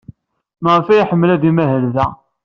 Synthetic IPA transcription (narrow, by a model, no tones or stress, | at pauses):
məʁəfæjiħəmːəlæðimæɦəlðæ